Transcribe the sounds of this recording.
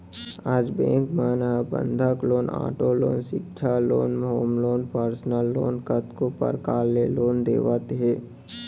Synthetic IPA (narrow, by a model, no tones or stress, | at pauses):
aːd͡ʒbḛ̃ːŋkmaːnbə̰̃nd̪ʱəkloːna̰ːʈoloːnʃɪkt͡ʃʰaloːnɦoːmloːnpəɾsnəlːoːnkət̪kopə̰ɾkaːlːeloːnd̪ḛːʋət̪ɦɛː